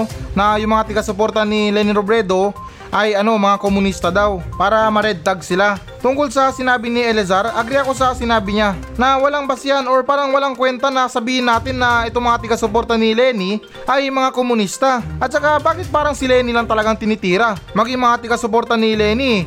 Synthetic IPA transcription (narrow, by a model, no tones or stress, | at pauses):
nɐjʊŋmɐŋat̪ɪɡasopo̞ɾt̪ɐnilɛnɪɾobɾɛd̪o̞ | ʔɐjɐno̞mɐŋakomʊnist̪ɐd̪awpaːɾɐmɐɾɛd̪̚t̪ɐɡ̚sɪla | t̪ʊŋkolsɐsɪnaːbɪnɪʔɛlɛzaɾʔɐɡɾɪɐko̞sɐsɪnaːbɪɲa | nɐwɐlaŋbɐsɪjano̞ɹpaːɾɐŋwɐlaŋkwɛnt̪ɐnɐsɐbiːhɪnːaːt̪ɪnːɐʔɛt̪o̞ŋmɐŋat̪ɪɡasopo̞ɾt̪ɐnɪlɛni | ʔɐjmɐŋakomʊnist̪aʔɐt̪̚t͡ʃɐkabaːkɪt̪̚paːɾɐŋsɪlɛnɪlɐŋt̪ɐlɐɡaŋt̪ɪnɪt̪iːɾɐmɐɡiŋmɐŋat̪ɪɡasopo̞ɾt̪ɐnɪlɛːni